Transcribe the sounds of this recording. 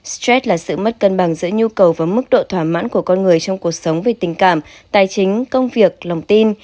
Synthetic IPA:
stɹɛ˦˥t̚laː˨˩sɨ̰˧˨mə˦˥t̚kə˧nɓa˧˩ŋzɨ̰˧˥əɲu˧kə˨˩wvaː˨˩mɨ˦˥k̚ɗo̰˧˨t̪ʰwaː˧˩ma̰ː˧˥nku˧˩əkɔ˧nŋɨ˨˩əjt͡ɕɔ˧wŋ͡mku˨˩ək̚sə˨˦wŋ͡mve˨˩t̪ï˨˩ŋ̟kaː˧˩m | t̪aː˨˩jt͡ɕï˨˦ŋ̟kə˧wŋ͡mvi˨˩ək̚la˨˩wŋ͡mt̪i˧n

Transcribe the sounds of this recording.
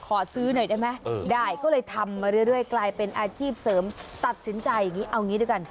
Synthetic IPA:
kʰɔː˩˦sɯː˦˥no˨˩˦jdaː˥˩jma˦˥ʔdaː˥˩jkɔː˥˩lɤː˧jt̪ʰa˧mːaː˧ɾɯ˥˩əɾɯ˥˩əjklaː˧jpe˧nʔaː˧t͡ɕʰiː˥˩p̚sɤː˩˦mt̪a˨˩t̪̚si˩˦nt͡ɕa˧jːa˨˩ŋːiː˦˥ʔa˧wŋiː˨˦˥dka˧n

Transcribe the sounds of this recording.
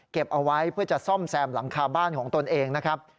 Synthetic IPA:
ke˨˩p̚ʔa˧wa˦˥jpʰɯ˥˩ɐt͡ɕa˨˩ʔsɔ˥˩msɛː˧mla˩˦ŋkʰaː˧baː˥˩nkʰɔː˩˦ŋt̪o˧nʔeː˧ŋna˦˥kʰɾa˦˥p̚

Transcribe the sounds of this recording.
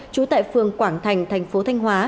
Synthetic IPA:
t͡ɕu˨˦t̪a̰ː˧˨jfɨ˨˩əŋkwaː˧˩ŋt̪ʰa˨˩jŋ̟t̪ʰjŋ̟fo˨˦t̪ʰa˧jŋ̟ɦwaː˨˦

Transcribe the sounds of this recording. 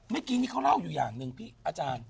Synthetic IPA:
ma˥˩jki˧niː˥˩kʰa˦˥˩wla˥˩wjuː˨˩ja̰ː˨˩ŋnɯ˧ŋpʰiː˦˥˩ʔaː˧t͡ɕaː˧n

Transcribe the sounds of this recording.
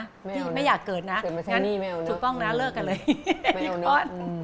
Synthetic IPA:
ma˥˩jaː˨˩kːɤː˨˩t̪̚na˦˥ʔŋa˦˥nuː˨˩t̪ɔ˥˩ŋna˦˥lɤː˥˩kːa˧nlɤː˧j | ɔː˦˥˩n

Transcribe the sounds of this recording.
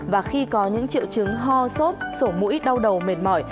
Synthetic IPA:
vaː˨˩xi˧kɔ˨˦ɲɨ̰˧˥ŋt͡ɕḭ˧˨əwt͡ɕɨ˨˦ŋɦɔ˧so˦˥t̚so˧˩mṵ˧˥jɗa˧wɗə˨˩wme˨˩t̚mɔː˧˩j

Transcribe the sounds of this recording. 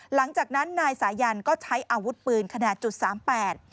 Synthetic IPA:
la˩˦ŋt͡ɕaː˨˩k̚na˦˥nːaː˧jsaː˩˦ja˧nkɔː˥˩t͡ɕʰa˦˥jʔaː˧wu˦˥t̪̚pɯː˧nkʰa˧naː˨˩t̪̚t͡ɕu˨˩t̪̚saː˩˦mpɛː˨˩t̪̚

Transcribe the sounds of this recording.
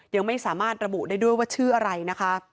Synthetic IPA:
ja˧ŋma˥˩jsaː˩˦maː˥˩t̪̚ɾa˧bu˨˩ʔ̚daː˥˩jdu˥˩əjwaː˥˩t͡ɕʰɯː˥˩ʔa˧ɾa˧jna˦˥kʰa˦˥

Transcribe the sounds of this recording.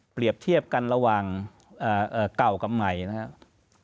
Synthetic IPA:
pɾi˨˩əp̚t̪ʰi˥˩əp̚ka˧nɾa˧waː˨˩ŋ | ʔɤː˨˩ʔɤː˨˩ka˨˩wka˨˩m̚na˨˩jna˦˥kʰa˦˥p̚

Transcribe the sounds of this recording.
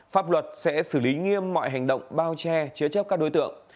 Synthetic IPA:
faː˦˥p̚lwə˨˩t̚sɛ̰˧˥sɨː˧˩li˨˦ŋi˧əmːɔ̰˧˨jɦa˨˩jŋ̟ɗə̰˧˨wŋ͡mɓaː˧wt͡ɕɛ˧t͡ɕi˨˦ət͡ɕə˦˥p̚kaː˦˥k̚ɗo˨˦jt̪ɨ̰˧˨əŋ

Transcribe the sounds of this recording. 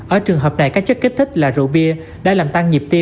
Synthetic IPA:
ʔəː˧˩t͡ɕɨ˨˩əŋɦəː˨˩p̚na˨˩jkaː˦˥k̚t͡ɕə˦˥t̚ki˦˥t̪ʰi˦˥k̟̚laː˨˩zṵ˧˥ɓi˧ə | ɗa̰ː˧˥laː˨˩mt̪a˧ŋɲi˨˩p̚t̪i˧

